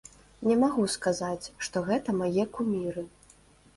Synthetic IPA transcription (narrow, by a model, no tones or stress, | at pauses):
nʲɛmaɣuskazat͡sʲʂt̪ɔɣɛt̪ɐmajɛkumʲiɾɨ